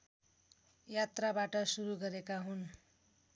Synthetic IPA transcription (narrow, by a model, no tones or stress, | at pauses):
jat̪rabaʈʌsuɾuɡʌɾekaɦun